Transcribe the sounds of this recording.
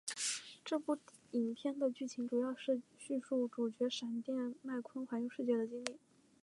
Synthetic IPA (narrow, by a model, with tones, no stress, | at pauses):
ʈ͡ʂɤ˥˧pu˥˩ | i˨˩npʰjɛ˥˩nd̪ə˨t͡ɕy˥˩t͡ɕʰi˧˥ŋʈ͡ʂu˨˩jɑ˥˧ʊʂɻ̩˥˧ɕy˥˧ʂu˥˩ʈ͡ʂu˨˩t͡ɕɥɛ˧˥ʂa˨˩nt̪jɛ˥˧nma˥˩ɪkʰwə˥nxwa˧˥njo˧ʂɻ̩˥˧t͡ɕɥɛ˥˩d̪ə˩t͡ɕi˥ŋli˥˩